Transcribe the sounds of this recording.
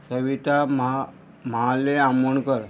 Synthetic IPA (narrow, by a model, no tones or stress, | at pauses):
səʋit̪am | maleamuɳkəɾ